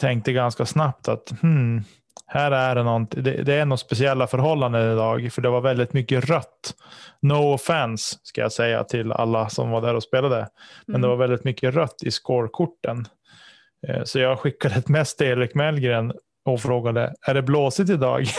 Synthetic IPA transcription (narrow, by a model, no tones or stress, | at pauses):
t̪ʰɛŋk̚t̪əɡanskasnapt̪ʰat̪hm̩ | hæːɾæɖɛnɔnt̪ɪd̪ɛ̰d̪ɛænɔt̪spɛsɪɛlːafœɾɦɔlːand̪ənɪd̪ɑːɡfœɖɛvaɾvɛld̪ɪt̪mʏkːəɾœt̪ːnɔʊfænsːkaja̰ːsɛjːa̰t̪ʰɪla̰lːasɔ̰mvaɖæːɾɔspeːlad̪əmɛnd̪ɛvaɾvɛlɪt̪mʏkːəɾœt̪ːɪskoːɾkʰʊʈːən | sɔjɑːɡɧɪkːad̪ət̪mɛst̪ʰːeːɾɪkmɛɛlɡɾeːn | ɔfɾoːɡad̪ə̰æɖɛbloːsɪt̪̬ɪd̪ɑ̰ːɡ